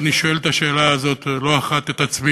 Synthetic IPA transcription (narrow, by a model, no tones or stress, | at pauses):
niʃoelet̪aʃe̞ːlaːzo̞t̪lo̞aχat̪et̪at͡smi